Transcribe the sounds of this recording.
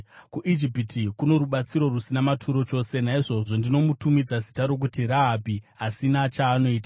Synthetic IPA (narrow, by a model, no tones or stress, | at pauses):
kuʔid͡ʒipitʰikuno̞ɾuɓat͡siɾo̞rusinamatʰuɾo̞t͡ʃo̞ːse̞naiʐo̞ʐo̞ndino̞mutumid͡zazi̥taɾo̞k̬utiɾaɦabi | asinat͡ʃaːno̞iːta